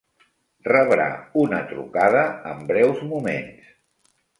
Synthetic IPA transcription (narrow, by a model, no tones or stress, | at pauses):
rəβɾa̰unə̰t̪ɾṵkaðəəmbɾɛwzmumens